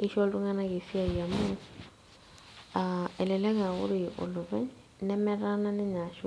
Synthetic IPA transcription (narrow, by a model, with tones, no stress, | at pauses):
i˦ʃɔ˦tu˦ŋa˦na˦ke˨si˦a˨ja˨mu˦ | aɛ˨lɛ˨lɛ˦ka˨ɣʊ̰˦ɾɪ˨ʊ̰˨lʊ˨βɛ˦ɲ | nɛ˦mɛ˦ɾa˦na˦nɛ˦ɲa˨ʃu˦